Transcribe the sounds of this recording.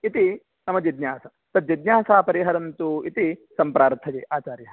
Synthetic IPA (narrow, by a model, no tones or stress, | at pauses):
it̪i | nɐmɐd͡ʒid̪njaːsɐ | t̪ɐd̪̚d͡ʒid̪njaːsaːpɐɾiɦɐɾɐnt̪uit̪isɐmpɾaːɾt̪ʰːɐd͡ʒḛːʔaːt͡ʃaːɾjɐɦɐ